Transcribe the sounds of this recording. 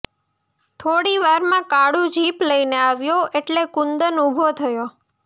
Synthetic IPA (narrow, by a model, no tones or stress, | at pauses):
t̪ʰoɽiʋaɾmãkaɽũd͡ʒʱipləineaʋjoeʈlekund̪ənubʱot̪ʰəjo